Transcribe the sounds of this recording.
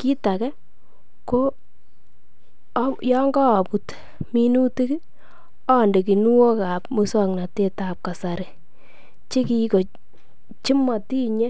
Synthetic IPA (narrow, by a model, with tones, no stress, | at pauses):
ki˦ta˨kɛ˦ | ko˦ | jɔ˦ŋɡɔː˦˨pu˨t | mi˦nu˦ti˦ki˦ | ɔ˦˨nde˨k̬i˨nu˦wo˦ka˨p̚mu˦sɔ˦ŋna˨te˦ta˨p̚ka˨sa˨ɾɪ˨ | t͡ʃi˦ki˦ko˨ | t͡ʃi˦ma˨ti˦ɲe˦